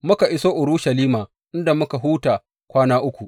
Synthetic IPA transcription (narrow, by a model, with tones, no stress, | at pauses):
mʊ˦ka˨ʔɪ˦soː˦ʔʊ˨ɾʊ˦ʃɐ˨liː˦maː˨ | ʔɪ˦nda˨mʊ˦ka˨ɦuː˦taː˨ | kʷaː˦naː˦ʔʊ˦kʷu˨ʔ